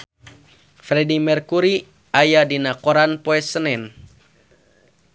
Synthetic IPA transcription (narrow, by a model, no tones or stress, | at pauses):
fɾɛdimɛrkuɾi | ajadinakoɾanpoɛsənɛn